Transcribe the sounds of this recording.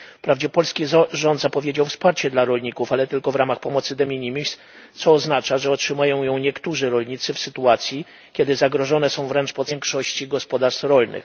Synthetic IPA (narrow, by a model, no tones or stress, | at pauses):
pɾavd͡ʑɛpɔlskʲiʐɔnd̪zapɔvʲjed͡ʑawfspaɾt͡ɕɛd̪laɾɔlɲikufalɛt̪ɘlkɔvɾamaxpɔmɔt̪sɘd̪ɛmʲiɲimʲis | t̪sɔːznat͡ʂaʐɛɔtʂɘmujɔ̃w̃jɔ̃w̃ɲɛkt̪uʐɘɾɔlɲit̪sɘfsɘt̪uat̪sʲji | kʲɛd̪ɘzaɡɾɔʐɔnɛsɔ̃w̃vɾɛnt͡ʂpɔt̪sɛŋkʂɔɕt͡ɕiɡɔspɔd̪aɾst̪ɾɔlnɘ̰x